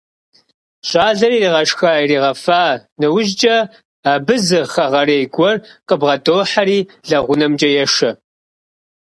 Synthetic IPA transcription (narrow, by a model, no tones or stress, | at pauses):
ɕʼaːɮɐriːriːʁɐʃxaːiriːʁɐfaːnɨwʊʒt͡ʃʼɐ | aːbɨzɨχɐʁɐɾeːjɡʷɔrqʼəbʁɐdoːħaɾiːɮɐʁʷʊnɐmt͡ʃʼɐjɛʃɐ